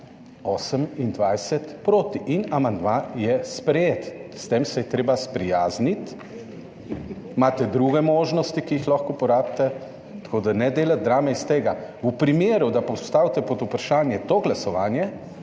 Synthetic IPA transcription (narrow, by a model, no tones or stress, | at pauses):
oːsəmind̪ʋajsɛt̪pɾoːt̪iʔinamand̪majɛspɾɛjeːt̪st̪emsɛjɛt̪ɾeːbaspɾijaːznit̪ | maːt̪ɛd̪ɾuːɡɛmoːʒnɔst̪ikiixlaxkɔpɔɾaːbt̪ɛ | t̪ḁkoːd̪anɛd̪eːlat̪̚d̪ɾaːmɛist̪eːɡaupɾimeːɾud̪apɔst̪aːwt̪ɛpɔd̪upɾaʃaːnjɛt̪oɡlasɔʋaːnjɛ